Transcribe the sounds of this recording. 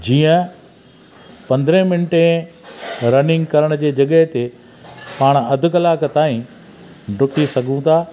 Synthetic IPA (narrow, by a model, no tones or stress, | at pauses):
d͡ʑiːə̃ | pɐ̃nd̪ɾẽmɪnʈẽ | ɾɐnɪ̃ŋɡkɐɾəɽ̃ʊd͡ʑeːd͡ʑɐɠəɦt̪e | paːɽ̃ɐd̪ʱʊkɐlaːkt̪aːɦĩ | ɖʊkisɐɡʱũt̪ʰaː